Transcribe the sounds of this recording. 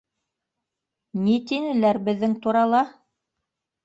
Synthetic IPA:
nit̪inɘ̆læɾbɘ̆ðːɘŋt̪uɾɑlˠɑ

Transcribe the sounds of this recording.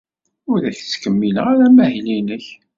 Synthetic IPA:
ʊɾðæçt͡sːkəmːiləʁaɾæmæhlinəç

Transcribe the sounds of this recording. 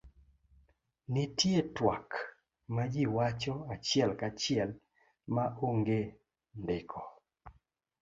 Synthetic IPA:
nitjetwak | mad͡ʒiwat͡ʃɔat͡ʃɪɛlkat͡ʃɪɛl | maʔoŋɡe | ndɪkʰɔ

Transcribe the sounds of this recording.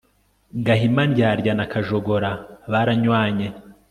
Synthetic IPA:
ɡaɦimanɟaːɾɟanakʰaʒoɡo̞ɾaβaɾaɲwaːɲe

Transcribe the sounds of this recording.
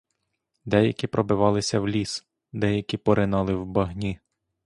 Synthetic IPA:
d̪ɛjɐkʲipɾɔbɪʋɑlˠɪsʲɐwlʲis | d̪ɛjɐkʲipɔɾɪnɑlˠɪwbɐɦnʲi

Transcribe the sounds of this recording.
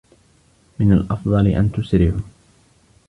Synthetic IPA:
mɪnalʔɑfd̪ˤɑlɪʔa̰nt̪ʊsɾɪʕʊ

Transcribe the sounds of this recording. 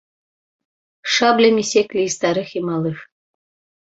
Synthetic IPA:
ʃɑblʲemʲisʲeklʲiist̪ɑɾɘximɑlɯf

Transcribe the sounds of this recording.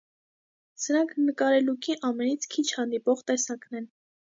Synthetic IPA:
səɾɑŋkʰnəkɑɾɛlukiʔɑmɛnit͡sʰkʰit͡ʃʰhɑnd̪ipɔʁt̪ɛsɑknɛn

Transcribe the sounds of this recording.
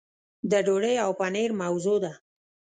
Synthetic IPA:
d̪əɖoɽəjawpaneɾmawzod̪a

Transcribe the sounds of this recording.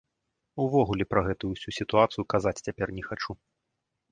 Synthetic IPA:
uvɔɣulʲɛpɾɐɣɛt̪ujuwsʲusʲit̪uat̪sɨjukazat͡sʲt͡sʲapʲɛrnʲɛxat͡ʂu

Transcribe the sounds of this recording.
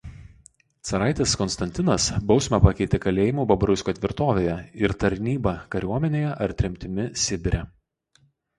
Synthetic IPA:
t̪sɐɾɑˑɪt̪ʲeskɔnst̪ɐnʲt̪ʲɪnɐsbɒʊsʲmʲɛpɐkʲɛɪt̪ʲekɐlʲeːjɪmuːbɐbɐɾʊsʲkʲoːt̪ʲʋʲɪɾt̪oːʋʲeːjɛɪɾt̪ɐɾʲnʲiːbɐkɐɾʲuɔmʲɛnʲeːjɛʔɐɾt̪ʲɾʲɪmʲt̪ʲɪmʲɪsʲɪbʲɪɾʲɛ

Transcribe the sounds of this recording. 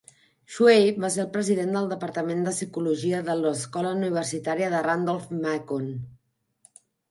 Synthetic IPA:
ʃwejbas̬eəlˠpɾəziðend̪əlˠd̪əpəɾt̪əmend̪əsikuluʒiəðələskɔləuniβ̞ərsit̪aɾiəðərand̪ɔlˠfmakon

